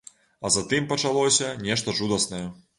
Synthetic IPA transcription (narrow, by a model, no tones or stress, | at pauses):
ɐzat̪ɨmpɐt͡ʂalˠɔsʲɐnʲɛʂt̪ɐʐud̪ɐsnɐjɛ